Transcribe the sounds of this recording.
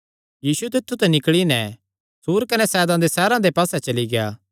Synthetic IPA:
jiːsut̪̬ɪt̪ʰːut̪ɛnɪkɭinɛ | suːɾkɐnɛsɛːd̪ãd̪esɛːɾãd̪epaːsɛt͡ʃɐliɡeja̰ː

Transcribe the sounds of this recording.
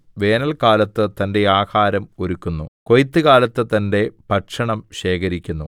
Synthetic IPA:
ʋe̞ːnɐlkaːlɐt̪ːɨt̪ɐnde̞aːhaːɾɐmoɾukːunːuko̞jt̪ːɨɣaːlɐt̪ːɨt̪ɐnde̞pɐʈʂɐɳɐmɕe̞ːkɐɾikʲːunːu

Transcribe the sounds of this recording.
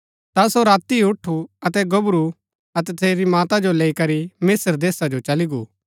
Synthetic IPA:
t̪asoɾaːt̪iʊʈʰuɐt̪ɛɡɐbɾu | ɐt̪ɛt̪ʰeːɾimaːt̪ad͡ʒoleːikɐɾimɪsəɾd̪eːsad͡ʒot͡ʃɐliɡṵː

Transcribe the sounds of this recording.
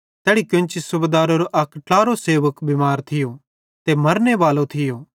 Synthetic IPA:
t̪ɛːɽikjʊ̃nt͡ʃisʊbeːd̪aːɾoɾoʔɐkʈaːɾoseːʋəkbɪmaːɾt̪ʰɪjo | t̪emɐɾneʋaːlot̪ʰɪjoː

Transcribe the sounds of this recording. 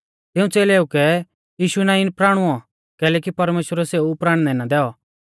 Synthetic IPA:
t̪ɪũt͡seːleːukɛ | jiːʃunãːiɪnpɾaːɽ̃ʊɔ | kɛːlɛːkipɐɾmeːʃwəɾɛseːupɾaːɽ̃nɛnad̪ɛːɔ

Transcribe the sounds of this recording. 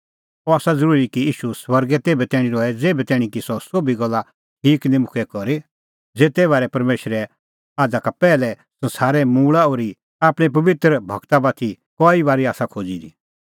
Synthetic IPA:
ɔaːsad͡zɐɾuːɾikiiːʃuswɐɾɡɛt̪eːbɛt̪ɛːɽ̃ĩɾɔːɛd͡zeːbɛt̪ɛːɽ̃ĩkisɔsoːbiɡɔlːa | ʈʰiːknĩmʊkʰɛkɔɾe | d͡zeːt̪ɛβaːɾɛpɐɾmeːʃɾɛ | aːd͡zakapɛːlɛ | sɐ̃nsaːɾɛmuːɭaoːɾi | aːpɽ̃ip̬ɐʋɪt̪ɾəbʱɐ̰ɡt̪abaːt̪ʰi | kɔːibaːɾiaːsakʰoːd͡zid̪ḭ

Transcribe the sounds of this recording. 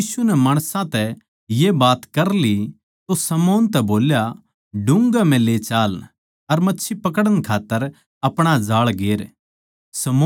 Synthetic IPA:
iːsunɛmaːɽ̃sãt̪ɛ | jebaːt̪kɐɾli | t̪osɐmoːnt̪ɛboːlja | ɖʊ̃ŋɡam̤ɛ̃leːt͡ʃaːl | ɐɾmɐtːʃʰipɐk̬əɽənkʰaːt̪ːəɾ | ɐpɽ̃ad͡ʒaːɭɡeːɾ | sɐmoː

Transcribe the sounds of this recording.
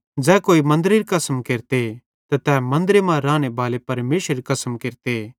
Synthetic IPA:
d͡ʒɛːkoːimɐ̃nd̪əɾeɾikɐsəmkeːɾt̪e | t̪ɐt̪ɛːmɐ̃nd̪əɾemãɾãːñebʱaːlepɐɾmeːʃɾeɾikɐsəmkeːɾt̪e

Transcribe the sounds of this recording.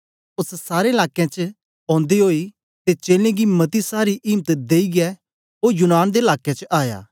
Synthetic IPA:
ʊssaːɾeɪlaːkːjãt͡ʃə | ɔ̃ːnd̪iɦoːi | t̪et͡ʃeːlẽɡimɐt̪isaːɾiʔɪːmt̪d̪eːiɡɛ | ɦoːɾjʊnaːnd̪eɪlaːkẽt͡ʃəʔaːja̰ː

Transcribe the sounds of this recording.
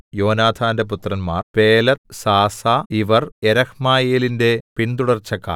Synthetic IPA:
jo̞ːnaːd̪ʱʰaːndep̬ut̪rɐnmaːrpeːlɐt̪saːsaːiʋɐreɾɐhmaːjeːlindepint̪uɽɐrt͡ɕːɐkːa̰ː

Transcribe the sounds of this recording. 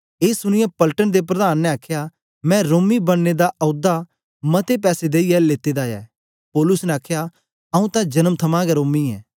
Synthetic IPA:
eːsʊñɪjãpəlʈənd̪ep̬ɾɐd̪aːnːɛaːkʰja | mɛ̃ɾoːmibɐnːed̪aʔɐʊd̪a | mɐt̪ep̬ɛːsed̪eːiɛleːt̪ed̪aːjɛ̰ː | pɔːlʊsnẽaːkʰja | ɐũt̪ãd͡ʒɐnəmt̪ʰɐmãɡɛɾoːmiɛː

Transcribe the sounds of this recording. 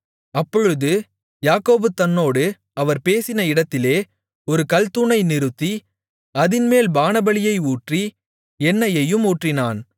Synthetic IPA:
ɐpːɔɻɯðɯ | jaːkoːbɯt̪ːɐnːoːɽɯ | ɐʋɐɾpeːsɪnɐɪɽɐt̪ːɪleː | ɔɾɯkɐlt̪unɐɪnɪɾɯt̪ːi | ɐðɪnmeːlbaːnɐbɐlɪjɐɪuːʈri | ɛnːɐjɐjɯmuːʈrɪnaːn

